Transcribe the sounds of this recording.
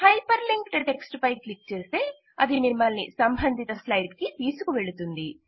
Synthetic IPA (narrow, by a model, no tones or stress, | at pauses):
hɐjpɐɾliŋkʈʈe̞ksʈpɐjklik̚t͡ʃeːst̪e̞ː | ɐd̪inimɐlnḭsɐmbʱɐnd̪ʱit̪ɐslɐjɖkit̪iːsukuʋeɭut̪und̪i